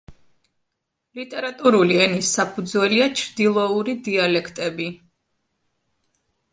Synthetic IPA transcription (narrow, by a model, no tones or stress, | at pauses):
lit̪ʼɛɾat̪ʼuɾuliɛnisːapʰud̪zwɛliat͡ʃʰɾd̪ilˠɔuɾid̪ialɛkʰt̪ʼɛbi